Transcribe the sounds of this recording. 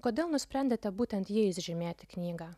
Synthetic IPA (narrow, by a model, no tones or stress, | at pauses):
koːd̪ʲeːlˠnʊsʲpʲɾʲɛnʲd̪ʲet̪ʲɛbuːt̪ʲɛnt̪jiɛɪsʒʲɪmʲeːt̪ʲɪknʲiːɡɑː